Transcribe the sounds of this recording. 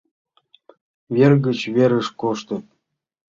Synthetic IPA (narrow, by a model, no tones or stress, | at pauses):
βʲerɣə̆t͡ɕβeɾə̆ʃkoʃt̪ɤ̆